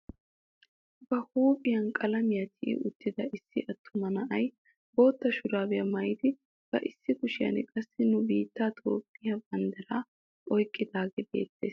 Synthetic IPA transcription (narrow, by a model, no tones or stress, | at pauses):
bɐhuːpʼɪjɐnkʼɐlɐmɪjɐt̪ʰɪʔɪ̰ʔʊt̪ːɪd̪ɐʔɪsːɪʔɐt̪ʰːʊmɐnɐʔɐj | boːt̪ːɐʃʊɾaːbɪjɐmɐjɪd̪ɪ | b̥ɐ̰ʔɪsːɪkʊʃɪjɐ̰nkʼɐsːɪnʊbiːt̪ːaːt̪ʼo̰ːpʼːɪjɐbɐnd̪ɐɾaː | ʔɔjkʼːɪd̪aːɡɛbḛːt̪ːeːs